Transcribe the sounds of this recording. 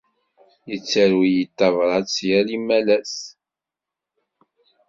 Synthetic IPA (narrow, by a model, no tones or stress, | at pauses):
jət͡sːəɾwijət̪ːɑvɾˤɑsjælimːælæs